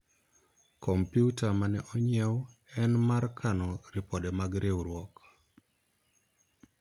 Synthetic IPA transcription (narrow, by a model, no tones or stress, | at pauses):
kʰɔmpjutamanɛʔɔɲɛw | ɛnmarkʰanɔɾɪpɔdɛmaɡɾewɾwɔk